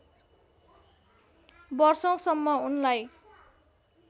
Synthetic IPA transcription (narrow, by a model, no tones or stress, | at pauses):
bʌrsʌw̃sʌmːʌunlaj